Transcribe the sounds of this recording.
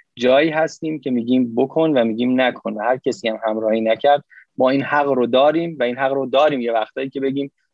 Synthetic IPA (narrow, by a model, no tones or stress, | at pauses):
d͡ʒɒːjiːɦæst̪iːmcʲʰe̞miːɟiːmbokʰonvæmiːɟiːmnækʰonvæhæɾcʰesiːæmhæmɾɒːhiːnæcʰæɾd̪̚mɒːiːnhæɣɾod̪ɒːɾiːmvæiːnɦæɣɾod̪ɒːɾiːmjevæxt̪hɒːjiːcʲʰe̞be̞ɟiːm